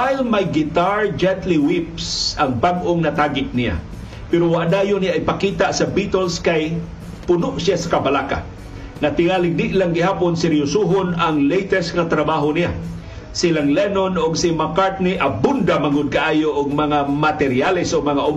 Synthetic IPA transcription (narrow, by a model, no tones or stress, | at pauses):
t̪ajlmajɡɪt̪aɹd͡ʒɛnt̪liwipsaŋbaɡʔoŋnat̪aːɡɪt̪̚nija̰ | pɛɾowaʔad̪aːjʊnijaʔɪpakiːt̪aʔsabit̪ɛlskaj | pʊnʊʔsjasḁkabalaka̰ | nat̪ɪŋaːlɪɡ̚nɪʔlaŋɡɪhaːponsɛɾjʊsuɦonaŋlejt̪ɛsŋat̪ɾabaɦonija | silaŋlɛnonʊɡsimakaɹt̪̚niʔɐbʊnd̪amaŋʊd̪̚kaʔaːjoʔʊɡ̚mɐŋamat̪ɛɾjalɪsʊɡ̚mɐŋaʔʊm